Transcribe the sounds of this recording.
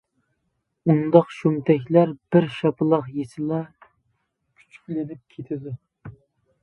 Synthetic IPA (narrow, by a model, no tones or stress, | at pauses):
und̪ɑqʃumt̪ʰɛkʲlæɾb̥ɪɾʃɑpʰɨlˠɑqjesɪlɛ | kʲʰy̥t͡ʃʰy̥kʲlɪnɪp̚kʲʰet̪ʰɪd̪u